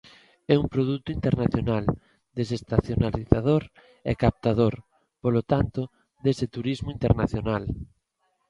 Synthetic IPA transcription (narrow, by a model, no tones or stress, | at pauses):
ɛuŋpɾoðut̪ʊint̪eɾnaθjonal | d̪esest̪aθjonaliθað̞oɾ | ɛ̰kap̚t̪aðoɾ | polot̪ant̪ʊ | ðesɪt̪uɾizmʊint̪eɾnaθjonal